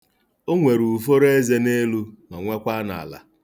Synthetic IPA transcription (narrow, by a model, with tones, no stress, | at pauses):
o˦ŋʷe˨ɾu˨fo˦ɾe˦ze˦ne˦lu˦ma˨ŋʷe˦kʷa˦na̰˨a̰˨la̰˨